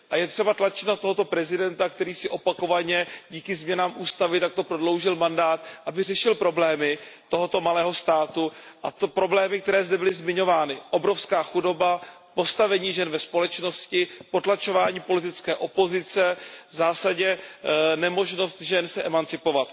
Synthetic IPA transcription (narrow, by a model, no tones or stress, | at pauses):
ʔajɛt̪r̝̥ɛbat̪lat͡ʃɪ̥t̪nat̪oɦo̞t̪o̞pɾɛzɪdɛnt̪akt̪ɛɾiːsɪʔo̞pako̞vaɲɛɟiːkɪzmɲɛnaːmʔuːst̪avɪt̪ak̚t̪o̞pɾodlo̞wʒɪlmandaːt̪ʔabɪr̝ɛʃɪlpɾo̞blɛːmɪt̪o̞ɦo̞t̪o̞malɛːɦo̞st̪aːt̪uʔat̪opɾo̞blɛːmɪk̚t̪ɛɾɛːzd̪ɛbɪlɪzmɪɲo̞vaːnɪʔo̞bɾo̞fskaːxudo̞ba | po̞st̪avɛɲiːʒɛnvɛspo̞lɛt͡ʃno̞scɪpo̞t̪lat͡ʃo̞vaːɲiːpo̞lɪt̪ɪt͡skɛːʔo̞po̞zɪt͡sɛzaːsaɟɲɛnɛmo̞ʒno̞st̪ʒɛnsɛʔɛmant͡sɪpo̞vat̪